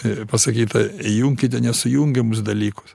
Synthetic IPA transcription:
pɐsɐkʲiːt̪ɐjuŋʲkʲɪt̪ʲɛnʲɛsʊjuŋʲɡʲɛmʊs̬d̪ɐlʲiːkʊ̥s

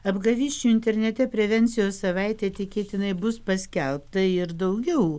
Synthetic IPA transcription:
ɐbɡɐʋʲiːʃʲt͡ʃʲuɪnʲt̪ʲɛɾʲnʲɛt̪ʲɛpʲɾʲɛʋʲɛnʲt̪sʲɪjoːssɐʋɐɪt̪ʲɛːt̪ʲɪkʲeːt̪ʲɪnɐɪbʊspɐsʲkʲɛlˠpt̪ɐɪɾd̪ɐʊɡʲɛʊ

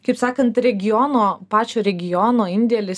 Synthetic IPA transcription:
kɐɪpsɑːkɐnt̪ɾʲɛɡʲɪjoːnoːpɑːt͡ʃʲoːɾʲɛɡʲɪjoːnoːɪnʲd̪ʲɛlʲɪs

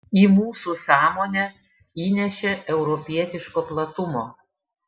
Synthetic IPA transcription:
iːmuːsusɑːmoːnʲɛ | iːnʲɛʃʲeʔɛʊɾɔpʲiɛt̪ʲɪʃkoːplˠɐt̪ʊmoː

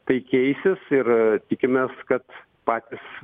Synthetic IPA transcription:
t̪ɐɪkʲɛɪsʲɪsɪrt̪ʲɪkʲɪmʲeːskɐt̪ | pɑːt̪ʲɪs

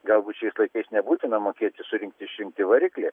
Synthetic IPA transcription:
ɡɐlˠbuːt̪ʃʲɛɪslˠɐɪkɐɪsnʲɛbuːt̪ʲɪnɐmoːkʲeːt̪ʲɪsʊɾʲɪŋk̚t̪ʲɪɪʃʲɾʲɪŋkt̪ʲɪʋɐɾʲɪklʲe

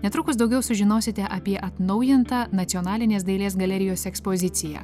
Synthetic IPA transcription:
nʲɛt̪ɾʊkʊsd̪ɒʊɡʲɛʊsʊʒʲɪnoːsʲɪt̪ʲɛʔɐpʲiɛʔɐt̪nɐʊjɪnt̪ɑːnɐt̪ʲɔnɑːlʲɪnʲeːsd̪ɐɪlʲeːs̬ɡɐlʲɛɾʲɪjoːsɛkspoːzʲɪt̪sʲɪjɛ̰ː

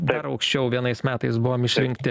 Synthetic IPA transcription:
d̪ɐɾɐʊkʃʲt͡ʃʲɛʊʋʲiɛnɐɪsmʲæːt̪ɐɪsbʊʋoːmɪʃʲɾʲɪŋk̚t̪ʲɪ

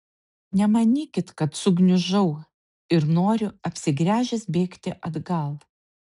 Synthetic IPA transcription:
nʲɛmɐnʲiːkʲɪt̪kɐt̪sʊɡnʲʊʒɐʊ | ɪɾnoːɾʲʊɐpʲsʲɪɡɾʲæːʒʲɪsbʲeːkt̪ʲɪʔɐd̪ɡɐlˠ

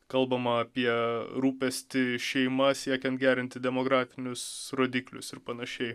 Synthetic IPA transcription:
kɐlˠbɐmɐɐpʲiɛɾuːpʲɛsʲt̪ʲɪʃʲɛɪmɐsʲiɛkʲɛnt̪̚ɡʲæːɾʲɪnʲt̪ʲɪd̪ʲɛmoːɡɾɑːfʲɪnʲʊsɾoːd̪ʲiːklʲʊ̰sɪɾpɐnɐʃʲɛɪ

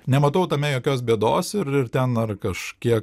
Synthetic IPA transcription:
nʲɛmɐt̪ɐʊt̪ɐmʲɛjoːkʲoːs̬bʲiɛd̪oːsɪɾɪrt̪ʲɛnɐrkɐʃkʲiɛk

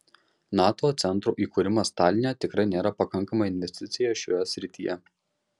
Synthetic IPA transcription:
nɑːt̪oːt̪sʲɛnˑt̪ɾuːʔiːkuːɾʲɪmɐst̪ɑːlʲɪnʲet̪ʲɪkɾɐɪnʲeːɾɐpɐkɐŋˑkɐmɐɪnʲʋʲɛsʲt̪ʲɪt̪sʲɪjɛʃʲoːjɛsʲɾʲɪt̪ʲiːjɛ

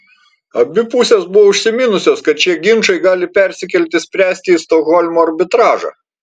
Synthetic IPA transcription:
ɐbʲɪpʊsʲeːsbʊʋoʊʃʲsʲɪmʲɪnʊsʲoːskɐt̪̚t͡ʃʲiɛɡʲɪnʃɐɪɡɑːlʲɪpʲɛɾʲsʲɪkʲɛlʲt̪ʲɪsʲpʲɾʲæːsʲt̪ʲɪːst̪oɣɔlʲmoːɐɾʲbʲɪt̪ɾɑːʒɑ̰

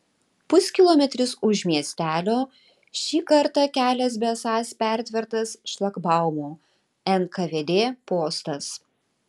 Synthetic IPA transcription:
pʊsʲkʲɪlˠɔmʲɛt̪ʲɾʲʊsʊʃʲmʲiɛsʲt̪ʲæːlʲoː | ʃʲiːkɐɾt̪ɑkʲæːlʲɛs̬bʲesɑːspʲæˑɾʲt̪ʲʋʲɛɾt̪ɐsʃlˠɐkbɑˑʊmuː | ɛnkɐʋʲeːd̪ʲeːpoːst̪ɐs

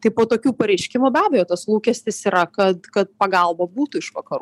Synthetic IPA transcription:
t̪ɐɪpoːt̪oːkʲuːpɐɾʲɛɪʃʲkʲɪmubʲæːbʲɛjoːt̪ɐslˠuːkʲɛsʲt̪ʲɪsiːɾɐkɐt̪kɐt̪̚pɐɡɐlˠbɐbuːt̪uɪʃʋɐkɐɾuː

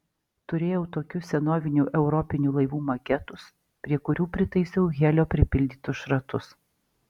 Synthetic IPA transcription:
t̪ʊɾʲeːjɛʊt̪oːkʲʊssʲɛnoːʋʲɪnʲuʔɛʊɾɔpʲɪnʲuːlˠɐɪʋuːmɐkʲɛt̪ʊs | pʲɾʲiɛkʊɾʲuːpʲɾʲɪt̪ɐɪsʲɛʊɣʲɛːlʲoːpʲɾʲɪpʲɪlʲd̪ʲiːt̪ʊsʃɾɐt̪ʊs

